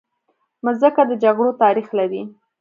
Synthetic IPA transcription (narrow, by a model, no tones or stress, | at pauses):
məzəkad̪əd͡ʒaɡɽot̪ɑɾixlaɾi